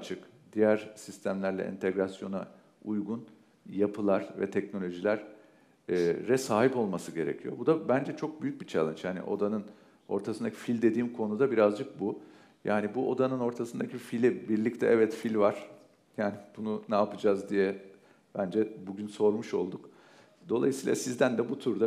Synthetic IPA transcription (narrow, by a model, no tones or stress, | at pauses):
t͡ʃʰɯk | d̪̥ijæɾsist̪ʰæmlʲæɾlʲɛ̰ʔḭnt̪ʰɛɡɾasjo̞na | ujɡun | japʰɯlˠaɾvɛ̰t̪ʰɛcno̞lʲo̞ʒilʲæɾ̥ː | ɛsaːɦipo̞lˠmasɯɟe̞ɾḛcʰijo̞̰bud̪abænd͡ʒɛt͡ʃʰo̞k̚byjyc̚ʲbit͡ʃʰalˠɯnt͡ʃjaːnḭʔo̞̰d̪anɯn | o̞̰ɾt̪ʰasɯnd̪acʰi̥filʲd̪e̞d̪iːmkʰo̞nud̪abiɾazd͡ʒɯk̚bu | ja̰ːnibuʔo̞d̪anɯno̞ɾt̪ʰasɯnd̪acʰifilʲibiɾlʲict̪ʰɛʔɛvɛt̪filʲvaɾ̥ | jaːnib̥ununaːpɯd͡ʒaːzd̪ijɛ | b̥ænd͡ʒɛbuɟynso̞ɾmuʃo̞̰lˠd̪uk | d̪o̞lˠa̰jɯsiːlˠa̰sizd̪ænd̪ɛbut̪ʰuɾd̪a